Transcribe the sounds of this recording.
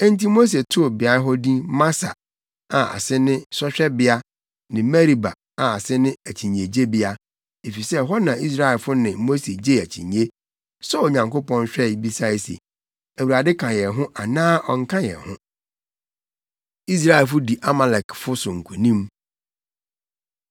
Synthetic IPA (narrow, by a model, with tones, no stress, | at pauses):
ɛ˦n˦ti˦mo˦s̬e˨tʰʊ˦˨bɪ˨a˨˦ɦɔ˦dĩ˦mã˦sa̰˨ | a˨a̰˨sɪ˦nɪ̃˦sɔ˦ɕᶣɛ˦bɪ˦a˦ | nɪ̃˨mɛ˦ɾi˨ba̰˨ | a˨a˨sɪ˦nɪ̃˦æ˨t͡ɕʰi˨ɲ˨e˨d͡ʑe˦bɪ˦a˦ | e˨fi˨sɛ˦ɦɔ˦nã˨i˦s̬ɾa˦ɛ˨lfʊ˦nɪ̃˨˦mo˦se˨d͡ʑe˦æ˨t͡ɕʰḭ̃˨ɲe˦ | sɔ˦ɔ˨ɲã˨ŋkʊ˦pɔ̃˦n˦ɕᶣɛ˦˨˦bi˦sa˦e˦sḛ˨ | æ˨wu˨ɾa˨dɪ˦kʰã˨jɛ˨ɦʊ̃˦ʔa˨nãː˦ʔɔ˨ŋ̩˦kʰã˦jɛ̰˨hʊ̰̃˦ | i˦s̬ɾa˦ɛ˨fʊ˦di˨ʔa˦ma˨lɛ˨kfʊ˦sʊ˨ŋ̩˨kʰu˨nĩ˦m